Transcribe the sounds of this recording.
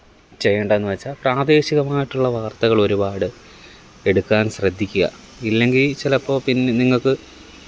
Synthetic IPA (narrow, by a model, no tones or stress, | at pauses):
t͡ɕe̞jːeːɳɖɐenːɨʋɐt͡ɕːaːlpraːd̪e̞ːɕiɣɐmaːjiʈːuɭːɐʋaːrt̪ɐɣɐɭo̞ɾubaːɽɨ | e̞ɽukːaːnɕrɐd̪ʱːikʲːuɣɐ̰ | ilːe̞ŋɡilt͡ɕilɐpːo̞ːpinːe̞niŋːɐɭkɨ